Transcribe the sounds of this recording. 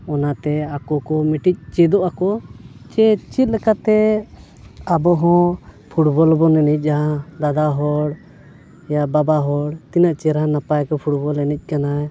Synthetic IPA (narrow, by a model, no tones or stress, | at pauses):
ɔnat̪ɛakɔkɔmiʈic̚t͡ʃɛd̪ɔʔakɔt͡ʃɛt͡ʃit̪̚ˀlɛkat̪ɛ | abɔɦɔ̃ | pʰuʈbɔlbɔnɛnic̚ˀaɦad̪ad̪aɦɔɽ | jababaɦɔɽt̪inaʔt͡ʃɛɾanapajkɔpʰuʈbɔlɛnic̚ˀkanaɛ